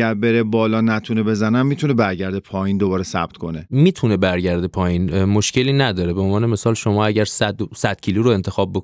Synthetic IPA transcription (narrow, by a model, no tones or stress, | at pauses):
æɾbeɾebɒːlɒːnæt̪ʰunebe̞zænæmːiːt̪ʰunebæɾɟæɾd̪epʰɒːjiːnd̪obɒːɾesæ̰b̥̚t̪ʰkʰo̞nemiːt̪ʰune̞bæɾɟæɾd̪epʰɒːjiːnmo̞ʃcʰeliːnæd̪ɒːɾebeonvɒːneme̞sɒːlʃo̞mɒːæɟæɾsæd̪sæd̪̥cʰiluɾoe̞nt̪ʰe̞xɒːb̚ːok